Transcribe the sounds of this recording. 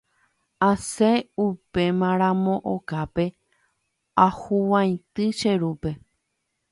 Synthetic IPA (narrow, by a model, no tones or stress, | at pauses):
aseupe̞mãɾ̃ãmõʔo̰kape̞ | ahuwãj̃t̪ɨʃe̞ɾupe̞